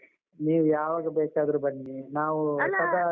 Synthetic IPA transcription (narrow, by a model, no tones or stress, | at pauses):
niːʋujaːʋaːɡɐbɛːt͡ʃaːd̪ɾubɐɳːinaːʋusɐd̪a